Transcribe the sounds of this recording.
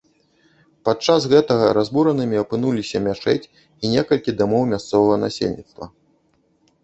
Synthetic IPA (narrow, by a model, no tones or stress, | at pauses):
pat͡ʂasɣɛt̪ɐɣɐɾazbuɾɐnɨmʲiɐpɨnulʲisʲɐmʲat͡ʂɛ̰t͡sʲ | inʲɛkɐlʲkʲid̪amɔwmʲast̪sɔvɐɣɐna̰sʲḛlʲnʲḭt̪st̪vɐ̰